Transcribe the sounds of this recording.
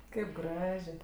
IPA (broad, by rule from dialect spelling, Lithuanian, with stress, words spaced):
ˈkɐɪp ˈɡrɑːʒʲeː